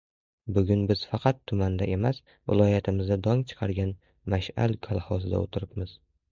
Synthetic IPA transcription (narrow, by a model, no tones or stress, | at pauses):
bʊɡʲʊnbɪz̥fɑqʰɑt̪ʰːʊmand̪aʔe̞mas | vɪ̰lˠɒjat̪ʰɪmɪzd̪ad̪ɒŋt͡ʃʰɨ̥qʰɑɾɡʲan | maʃa̰lkʰalˠhɒsɪd̪a̰ot̪ʰɪɾɪpmɪz̥